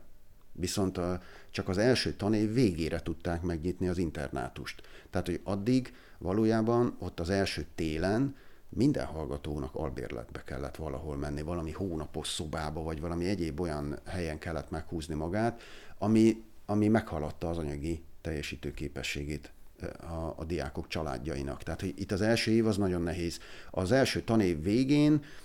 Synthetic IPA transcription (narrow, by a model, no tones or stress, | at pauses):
ʋiso̞nt̪ | t͡ʃɒkɒzɛlʃøːt̪ɒneːveːɡeːɾʔɛt̪ut̪ːaːkmɛɡɲit̪niɒzint̪ɛ̰rna̰ːt̪uʃt̪ːaːt̪ho̞ɟɒd̪ːiɡ | vɒloːjaːbɒno̞t̪ːɒzɛlʃøːt̪eːlɛn | mind̪ɛ̰nɦɒlɡɒt̪oːnɒkɒ̰lbḛːrlɛ̰d̪̚bɛkɛ̰lːɛ̰t̪ʋɒlɒ̰ɦo̞lmɛnːivɒlɒmihoːnɒpo̞ʃso̞baːbɒvɒɟvɒlɒmiɛɟeːbo̞jɒnhɛjɛŋkɛlːɛt̪mɛkhuːznimɒɡaːt̪ɒmiɒmimɛkhɒlːɒt̪ːɒːzɒɲɒɡit̪ɛjːɛʃiːt̪øːkeːpɛʃːeːɡeːt̪ɒ̰ːd̪ija̰ːko̞kt͡ʃɒla̰ːɟːɒḭnɒ̰kt̪ɛɦat̪ho̞ɟit̪ːɒzɛlʃøːeːvɒznɒɟo̞nːɛɦeːz̥ɒzɛlʃøːt̪ɒneːvːeːɡeːn